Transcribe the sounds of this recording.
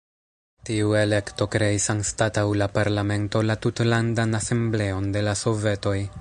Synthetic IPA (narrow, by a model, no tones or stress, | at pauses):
tiue̞le̞kto̞kɾe̞isanstatawlapaɾlame̞nto̞latutlandanase̞mble̞o̞nde̞laso̞ve̞to̞j